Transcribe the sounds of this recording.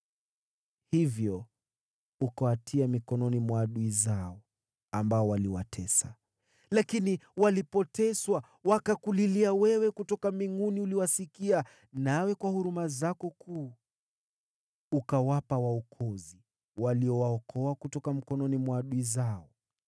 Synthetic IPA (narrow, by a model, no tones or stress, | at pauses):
hivjɔ | ukawatʰiamikɔnɔnimwaːɗuizaɔ | ambaɔwaliwa̰tʰɛsa̰ | lakiniwalipɔtɛswa | wakakuliliawɛwɛkutɔkamiŋuniuliwasikia | nawɛkwahuɾumazakɔkʰuː | ukawapawaɔkʰɔzi | waliɔwaɔkʰɔakutɔkam̩kɔnɔnimwaːɗuizaɔ